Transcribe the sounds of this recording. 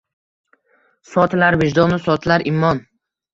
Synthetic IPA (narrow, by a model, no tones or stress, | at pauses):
sɒt̪laɾvɪd͡ʒd̪ɒnɪsɒt̪laɾʔɪmːɒn